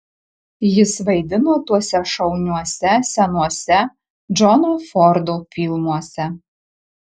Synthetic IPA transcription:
jɪsʋɐɪd̪ʲɪnoːt̪uɔsʲɛʃɐʊnʲuɔsʲɛsʲɛnuɔsʲɛ | d͡ʒɔnufɔɾd̪opʲiːlˠmuɔsʲɛ

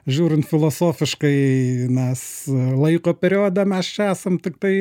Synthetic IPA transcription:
ʒʲuːɾʲɪnt̪fʲɪlˠoːsoːfʲɪʃkɐɪmʲɛslˠɐɪkoːpʲɛɾʲɪoːd̪ɐmʲɛst͡ʃʲɛæːsɐmt̪ʲɪk̚t̪ɐɪ

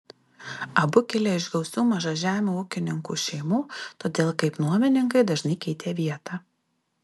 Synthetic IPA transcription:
ɐbʊkʲɪlʲeɪʒɡʲɛʊsʲuːmɐʒɐʒʲæːmʲuːʊkʲɪnʲɪŋkṵːʃʲɛɪmuːt̪oːd̪ʲeːlˠkɐɪpnuɔmʲɪnʲɪŋkɐɪd̪ɐʒnɐɪkʲɛɪt̪ʲeːʋʲiɛt̪ɑː

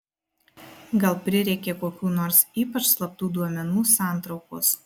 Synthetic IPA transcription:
ɡɐlˠpʲɾʲɪɾʲɛɪkʲeːkoːkʲuːnoːɾsiːpɐt͡ʃslˠɐp̚t̪uːd̪uɔmʲɛnuːsɑˑnˑt̪ɾɒʊko̰ːs

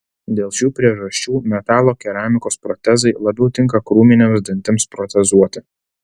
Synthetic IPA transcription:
d̪ʲeːlˠʃʲuːpʲɾʲiɛʒɐsʲt͡ʃʲuːmʲɛt̪ɑːlˠoːkʲɛɾaːmʲɪkoːspɾɔt̪ʲɛzɐɪlˠɐbʲɛʊt̪ʲɪŋkɐkɾuːmʲɪnʲɛmsʲd̪ʲɪnʲt̪ʲɪmspɾɔt̪ʲɛzuɔt̪ʲɪ

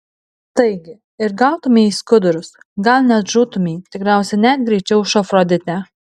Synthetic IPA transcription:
t̪ɐɪɡʲɪ | ɪɾɡɑʊt̪ʊmʲɛːiskʊd̪ʊɾʊs | ɡɐlʲˠnʲɛt̪ʒuːt̪ʊmʲiːt̪ʲɪkɾʲæˑʊsʲɛnʲæːt̪̚ɡɾʲɛɪt͡ʃʲɛʊʃɔfɾɔd̪ʲɪt̪ʲɛ

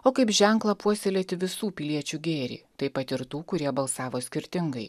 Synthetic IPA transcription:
oːkɐɪpʒʲɛŋklˠɐpuɔsʲelʲeːt̪ʲɪʋʲɪsuːpʲɪlʲiɛt͡ʃʲuːɡʲeːɾʲḭːt̪ɐɪpɐt̪ɪɾt̪uːkʊɾʲiɛbɐlˠsɑːʋoːsʲkʲɪɾʲt̪ʲɪŋɡɐɪ

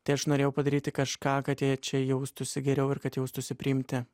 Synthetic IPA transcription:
t̪ɐɪɐʃnoːɾʲeːjɛʊpɐd̪ɐɾʲiːt̪ʲɪkɐʃkɑːkɐt̪jɛt͡ʃʲɛjɛʊst̪ʊsʲɪɡʲɛɾʲɛʊɪɾkɐt̪jɛʊst̪ʊsʲɪpʲɾʲɪɪmʲt̪ʲɪ

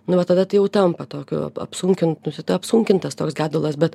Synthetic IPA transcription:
nʊʋɐt̪ɐd̪ɐt̪ɐɪjɛʊt̪ɐmpɐt̪oːkʲʊ̰ɐ̰pɐ̰psʊŋʲkʲɪnt̪nʊsʲɪt̪ɪɐpsʊŋʲkʲɪnt̪ɐst̪oːksɡʲæːd̪ʊlˠɐsbʲɛt̪

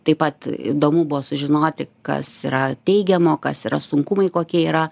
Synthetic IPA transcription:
t̪ɐɪpɐt̪ḭd̪oːmuːbʊʋoːsʊʒʲɪnoːt̪ʲɪkɐ̰sḭːɾɐt̪ʲɛɪɡʲɛmoːkɐsiːɾɐsʊŋkʊmɐɪkoːkʲiɛiːɾɐ

